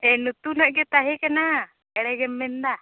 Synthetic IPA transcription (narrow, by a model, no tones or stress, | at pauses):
ɛnut̪unaʔɡɛt̪aɦɛkana | ɛɽɛɡɛmːɛnd̪a